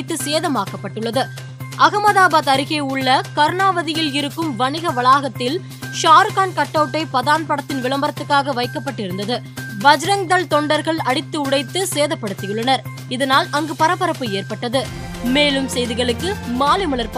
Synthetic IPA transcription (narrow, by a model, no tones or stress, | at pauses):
t̪ːɯseːðɐmaːkɐpːɐʈːɯɭːɐðɯ | ʔɐɣɐmɐðaːbaːðɐɾɪɣeːʊɭːɐkɐɾɳaːʋɐðɪjɪlɪɾɯkːɯmʋɐnɪɣɐʋɐɭaːɣɐt̪ːɪl | ʃaːɾkaːnkɐʈːɐʋʈːɐɪpɐðaːnpɐɽɐt̪ːɪnʋɪɭɐmbɐɾɐt̪ːɯkːaːɣɐʋɐɪkːɐpːɐʈːɪɾɯnd̪ɐðɯ | bɐd͡ʒɾɐŋd̪ɐlt̪ɔɳɖɐɾɣɐɭɐɽɪt̪ːɯʊɽɐɪt̪ːɯseːðɐpːɐɽɯt̪ːɪjɯɭːɐnɐɾ | ɪðɐnaːlɐŋɡɯpɐɾɐpːɐɾɐpːɯeːɾpɐʈːɐðɯ | meːlɯmsɛjðɪɣɐɭɯkːɯmaːlɪmɐɭɐɾpɐ